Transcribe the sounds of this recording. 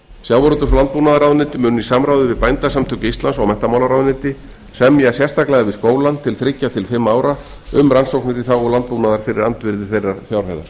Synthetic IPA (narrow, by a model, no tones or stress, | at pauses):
sjawaɾʏt̪ʏsɔlant̪puːnaðaɾawðnɪt̪ɪmʏːnisamɾawðʏvɪðpajnt̪asamt̪ʰœcɪist̪lansɔwmɛt̪amawlaɾawðnɪt̪ɪ | sɛmjasjɛst̪ʰaklɛːɣavɪskoːwlant̪ʰɪlθɾɪcːat̪ʰɪlfɪmːaːwɾa | ʏmɾansowknɪɾiθawɔlant̪̚punaðaɾ̥fɪɾɪɾant̪vɪɾðɪθejrːaɾ̥θjawr̥ajða̰ɾ̥